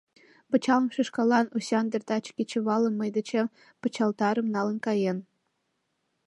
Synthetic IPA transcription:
pə̆t͡ɕɑləmʃeʃkɑlɑnusʲɑnd̪ə̆rt̪ɑt͡ɕkʲit͡ɕĕβɑlə̆nməjd̪ə̆t͡ɕe | pə̆t͡ɕɑlt̪ɑɾə̆mnɑlə̆nkɑjen

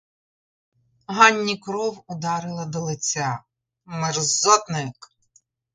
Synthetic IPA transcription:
ɦɑnʲːikɾɔwʊd̪ɑɾɪlˠɐd̪ɔlˠet͡sʲa | merzɔt̪nɪk

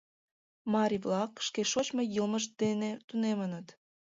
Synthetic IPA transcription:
mɑɾʲiβlɑkʃkeʃot͡ɕmojəlməʃd̪̥enet̪unemənət̪

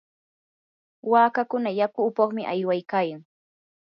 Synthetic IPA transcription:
waːkakʊnajakʊːpɑχmɪʔajwajkaːjaŋ

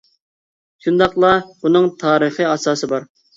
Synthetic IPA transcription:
ʃund̪ɑqlˠɑbunɨŋt̪ʰɑːɾəχiɑsɑːsɨbɑɾ

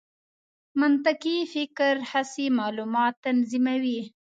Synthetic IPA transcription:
mʊnt̪akifɪkɾhasimɑlumɑt̪ːanzimawi

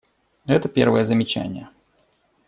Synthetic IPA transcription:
ɛt̪əpʲḛrvəjəzəmʲɪt͡ɕæ̰nʲɪ̰jə

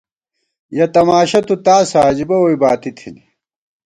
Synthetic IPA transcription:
jɐt̪ɐmaːɕɐt̪ut̪aːsaːd͡ʑibɐwojbaːt̪it̪ʰini

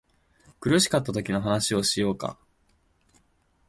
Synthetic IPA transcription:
kɯ̟ɾɯ̟ɕi̥kat̪ːat̪o̞kʲino̞ɦanaɕio̞ɕijo̞ːka̰

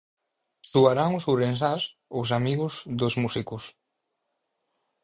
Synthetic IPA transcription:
suaɾaŋʊsuɾens̬as | osamiɣʊzðozmusikʊs

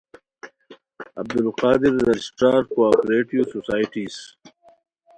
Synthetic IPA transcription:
ɐ̰b̚d̪ʊlqaːd̪ɪɾːad͡ʒsʈaːɾkoaːpɾeːʈiososaːjʈiːs

